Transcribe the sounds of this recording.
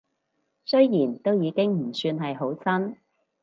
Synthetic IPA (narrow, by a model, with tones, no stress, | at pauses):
sɵ˥ɥjiː˨˩nt̪o˥wjiː˨˧kɪ˥ŋm̩˨˩syː˧nɦɐ˨jɦo˨˥wt͡sɐ˥n